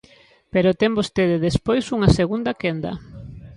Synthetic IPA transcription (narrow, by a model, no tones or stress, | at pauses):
peɾot̪ɛmbost̪eðeðespojsuŋɐseɣund̪ɐkend̪ɐ̰